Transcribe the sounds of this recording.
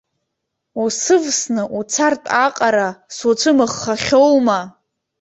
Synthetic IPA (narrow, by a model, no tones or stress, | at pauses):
usɨvsnɨʔut͡sʰartʼaqʼaɾasut͡sʷʰɨmɨχːaχʲowma